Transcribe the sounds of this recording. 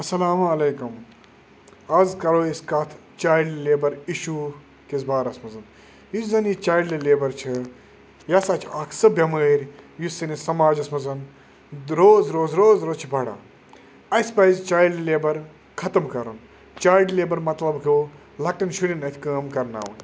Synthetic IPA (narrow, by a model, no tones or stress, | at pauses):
ɐsɐlaːmɐleːkum | ɐzkɐɾoːiskɐt̪ʰ | t͡ʃaːjɖleːbɐɾiʃu | kizbaːɾɐsmɐzɐn | jizɐnjit͡ʃaːjɖlileːbɐɾt͡ʃʰɨ | jɐsat͡ʃʰaːkʰsɨbɐməːɾʲjusɨnisɐmaːd͡ʒɐsmɐzɐn | ɾoːzɾoːzɾoːzɾoːzt͡ʃʰibɐɽa̰ | ɐsʲpɐzʲt͡ʃaːjɖleːbɐɾ | kʰɐt̪ɐmkɐɾɐn | t͡ʃaːjɖleːbɐɾmɐt̪lɐbkɨ | lɐk̚ʈɐnʃuɾʲinɐt̪ʰʲkɐːmkɐɾna̰ːwɐ̰n